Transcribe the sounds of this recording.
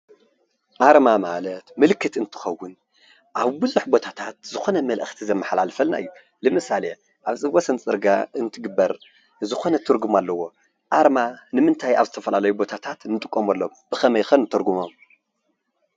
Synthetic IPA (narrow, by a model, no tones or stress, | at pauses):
ʔaɾmamalɐt̪mɨlkʰːɨt̪ɨnt̪ʰɨ̥xɐwːʊn | ʔaβbɨzuħbo̞t̪ʰat̪ʰat̪̚zɨxo̞nɐmɐlʔɨxt̪ʰizɐmːɐħlalfɐlna̰ʔɨjːu | lɨmɨsale | ʔaβsʼɨwosɐnt͡sʼɨɾɡa̰ɨnt̪ʰɨɡɨbːɐɾ | zɨxo̞nɐt̪ʰɨɾɡumalːɐwo̞ | ʔaɾmanɨmɨnt̪ʰajaβzɨt̪ʰɐfɐlalɐjubo̞t̪ʰat̪ʰat̪nɨt̪ʼɨkʼːomɐlːomb̥ɨxɐmɐjxɐnɨt̪ʰɨɾɡumom